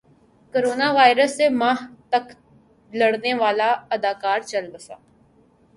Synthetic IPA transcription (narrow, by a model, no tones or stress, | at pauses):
koɾoːnaːʋaːɪɾəsːemãːɦt̪ək | ləɽneʋaːlaəd̪aːkaːɾt͡ʃəlbəsa̰ː